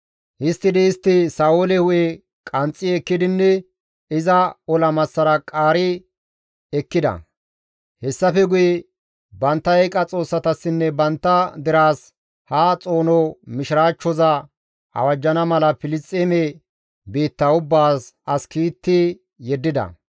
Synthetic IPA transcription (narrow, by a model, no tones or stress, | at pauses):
ʔɪst̪ːɪd̪ɪːst̪ːɪsaːolɛhʊjɛ | kʼɐnt͡sʼːɪɛkːɪd̪ɪnːɛ | ɪzɐɔlɐmɐsːɐɾɐkʼaːɾɪ | ɛkːɪd̪ɐ̰ | hɛsːɐfɛɡʊjɛ | bɐnt̪ːɐɛjkʼɐt͡sʼo̞ːsːɐt̪ɐsːɪnːɛbɐnt̪ːɐd̪ɪɾaːs | hat͡sʼo̞ːnɔmɪʃɪɾaːt͡ʃːɔzɐ | ɐ̰wɐd͡ʒːɐnɐmɐlɐfɪlɪst͡sʼːeːmɛ | biːt̪ːɐʊbːaːsɐskiːt̪ːɪ | jɛd̪ːɪd̪ɐ̰